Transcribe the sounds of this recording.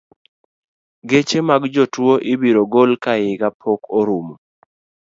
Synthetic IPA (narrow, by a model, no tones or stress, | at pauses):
ɡet͡ʃemaɡd͡ʒotwoʔɪbiɾoɡolkajɪɡapʰokoɾum